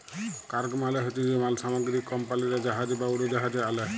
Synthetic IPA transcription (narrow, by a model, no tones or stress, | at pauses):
kaɹɡmalɛɦetizimalsamɔɡɾikːɔmpaliɾɛd͡ʒaɦad͡ʒibauɾid͡ʒaɦad͡ʒɛalɛ